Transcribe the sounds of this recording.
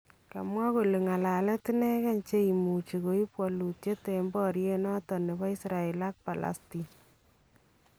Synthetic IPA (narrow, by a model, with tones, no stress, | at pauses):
ka̰˨mwa˦ko˨le˨ŋa˨la˨lɛ˦ti˦nɛ˦kɛ˦nt͡ʃe˦i˨mu˨t͡ʃi˨ko˨˦i˦pwɔ˨lu˨tje˦te˨mbɔ˦ɾje˦nɔ˦tɔ˨ne˨bɔ˦i˦sɾa˨e˨la˦k̚pa˨la̰˨sti˨